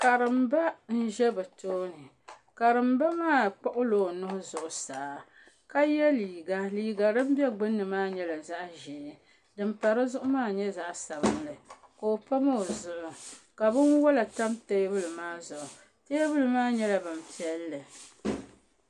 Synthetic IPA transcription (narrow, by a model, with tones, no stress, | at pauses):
ka˨ɾɨ˨m˦ba˦n̩˦ʒɛ˦bɨ˨toː˦nɨ˨ | ka˨ɾɨ˨mba˦maː˦˨k͡pɔ˦ʔʊ˦loː˨nʊ˦hʊ˦zʊ˨ʔʊ˨saː˨˦ | ka˦jɛ˦liː˨ɡa˦liː˨ɡa˨dɨ˦m̩˦bɛ˦ɡ͡bɨ˦nːɨ˨maː˦ɲɛ˦la˨za˦ʔʒɛ˨ | dɨ˨mpa˨ɾɨ˦zʊ˦ʔʊ˦maː˦˨ɲɛ˦za˨ʔsa˨bɨ˦n˦lɨ˨ko˨o˨pa˦ma˦˨zʊ˨ʔʊ˨ka˨bɨ˦nwɔ˦la˨ta˦mteː˦bɨ˦lɨ˨maː˦zʊ˨ʔʊ˨ | te˦bɨ˦lɨ˨maː˦ɲɛ˦la˦bɨ˨m̩˨pi˦ɛ˦lːɨ˨